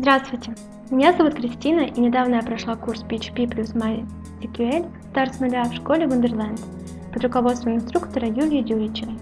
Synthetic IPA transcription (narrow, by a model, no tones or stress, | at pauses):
zd̪ɾast̪vʊjtʲɪ | mʲɪnʲazɐvut̪kɾʲɪsʲtʲinəʔinʲɪd̪avnəjapɾɐʂlˠakurspʲit͡ɕpʲiplʲusma | əkʲuelʲst̪aɾsnʊlʲafʂkolʲɪvɨnd̪ʲərlˠand̪ | pəd̪ɾrʊkɐvo̞t̪st̪vəmɪnst̪ɾukt̪əɾəjulʲɪjədʲuɾʲɪt͡ɕɪvə